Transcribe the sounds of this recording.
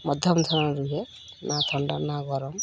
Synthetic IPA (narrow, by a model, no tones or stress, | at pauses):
mɔd̪ʱjɔmt̪ʰɔnanɾuɦɛ | nat̪ʰɔɳɖanaɡɔɾɔm